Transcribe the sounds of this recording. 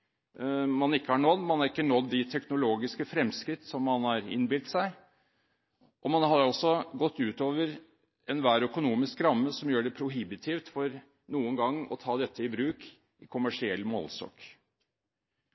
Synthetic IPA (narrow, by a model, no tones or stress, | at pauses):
mɑnɪkːəhɑɳɔd̪ːmɑnhɑɾɪkːənɔd̪ːɪt̪ʰɛknʊloːɡɪskəfɾɛmskɾɪt̪ːsɔmːɑnhɑɾɪ̰nbɪlt̪sæɪ | ʔɔmɑnhɑɾɔsːɔɡɔt̪ːʉːt̪oːʋəɾ | ɛnʋæːɾœkʊnuːmɪskɾɑmːəsɔmjøːɖɛpʰɾʊɦɪbɪt̪ʰɪːft̪fɔɾ | nuːənɡɑŋːɔ̰t̪ʰɑːd̪ɛt̪ʰːəɪbɾʉːk | ʔɪkʰʊmæʂɪɛlːmɔ̰lsɔ̰ːk